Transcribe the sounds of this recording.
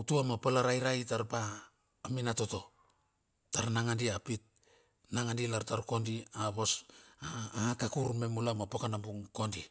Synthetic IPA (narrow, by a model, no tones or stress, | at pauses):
utuamapalaɾajɾajtaɾpaː | minato̞to̞ | taɾnaŋandiapit̚ | naŋandilaɾtaɾko̞ndiaβo̞sakakuɾme̞mulamapokanambuŋko̞ndi